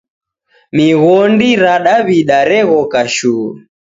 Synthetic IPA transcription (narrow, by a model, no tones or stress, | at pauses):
miɣɔndiɾaɗaβiɗaɾɛɣɔkaʃuː